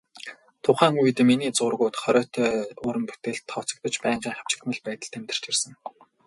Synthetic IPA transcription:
t̪ʰʊχæːŋujt̪miniːt͡sʊrɣʊːt̪χɔɾʲœːt̪ʰœːʊːɾə̆mpu̥t̪eːɮt̪ʰːɔwʰt͡sɞ̆k̚t̪ə̆t͡ɕpæːŋɢiːŋχḁw̥t͡ɕɪ̥̆t̪mə̆ɮpæːt̪ə̆ɮt̪ʰemt̪ɘ̆r̥t͡ɕersə̆ŋ

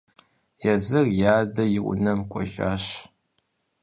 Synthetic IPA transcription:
jɛzɨrjaːdɐjɪʔʷʊ̰nɐmkʷʼɔ̰ʒa̰ːɕ

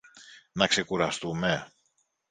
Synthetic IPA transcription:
nɐkse̞kuɾɐst̪ume

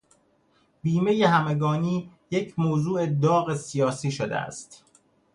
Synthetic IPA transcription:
b̥iːmejehæmeɡɒːniː | je̞cʰmoːzuːe̞d̪ɒːɣe̞sijɒːsiːʃod̪ḛæ̰st̪

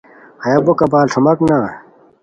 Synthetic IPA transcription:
hɐjɐbokɐbaːlʈʰɐmɐknaː

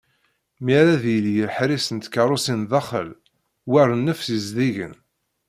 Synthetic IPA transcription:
miɾaðjəljəħɾisənt̪kəɾˤʊsinðɑχə̰l | wærˤənːəfsizðiʝə̰n

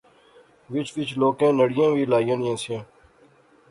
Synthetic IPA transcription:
ʋɪt͡ʃʰʋɪt͡ʃʰloːkẽːnəɽɪjãːʋiːlaːjãːnjãːsɪjãː

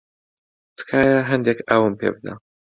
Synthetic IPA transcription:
t̪kʰaːjaɦɐnd̪ekʰaːwɨmpḛbɨd̪a̰

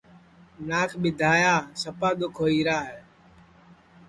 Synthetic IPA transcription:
naːkʰɓɪd̪ʱaːjaːsəpaːɗ̪ʊkʰoːiːɾaːɦeː

